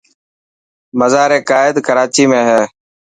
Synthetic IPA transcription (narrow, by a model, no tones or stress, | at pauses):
məzaːɾeːkaːɪd̪kəɾaːt͡ʃiːmẽːɦeː